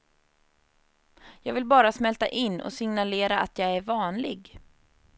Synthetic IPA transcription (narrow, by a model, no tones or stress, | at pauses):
jɑːɡvɪlbɑːɾasmɛlt̪a̰ʔɪnːɔ̰sɪŋnaleːɾaʔat̪jɑːɡæɾvɑːnlɪɡ